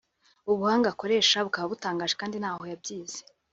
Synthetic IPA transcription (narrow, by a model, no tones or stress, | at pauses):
uβuhaːŋɡako̞ɾe̞ːʃaβukaβaβutaːŋɡaːʒekaːndin̥haːho̞jab̚ɟiːz̥e̥